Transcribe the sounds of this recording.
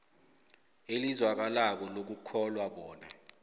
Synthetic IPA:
elizwak̬alak̬ɔlok̬ukʰɔlwaɓɔːna

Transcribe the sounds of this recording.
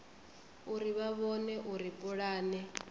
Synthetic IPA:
uɾiβaβɔnɛʔuɾipʼɔɺaːnɛ

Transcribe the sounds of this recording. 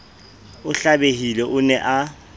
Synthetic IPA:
ʊɬabeɦilɛʔʊnɛʔa

